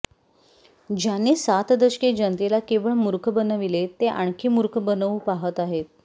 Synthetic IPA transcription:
d͡ʑjaniːsat̪d̪əɕked͡ʑənt̪elakeʋəɭmuɾkʰbənəʋilet̪eʔaɳ̃kʰiːmuɾkʰəbənəʋupaɦət̪aɦet̪̚

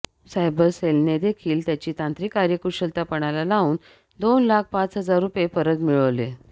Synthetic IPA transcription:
sajbəɾselned̪ekʰiːlt̪jat͡ɕiːt̪ãnt̪ɾikːaɾjəkuɕəlt̪apəɽ̃alalaʋuːn | d̪onlak̚ʰpat͡sɦəd͡zaɾːupjefəɾət̪miɭəʋle

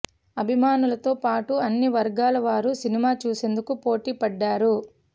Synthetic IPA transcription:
ɐbʱimaːnulɐt̪oːpaːʈuɐnːiʋɐɾɡaːlɐʋaːɾusinimaːt͡ʃuːse̞nd̪ukupo̞ːʈiːpɐɖːaːɾu

